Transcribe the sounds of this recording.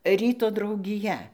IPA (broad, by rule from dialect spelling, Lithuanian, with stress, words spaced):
ˈrʲiːtoː drɐʊɡʲɪˈjɛ